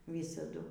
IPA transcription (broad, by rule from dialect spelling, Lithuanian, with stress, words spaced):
ˈʋʲiːsɐdʊ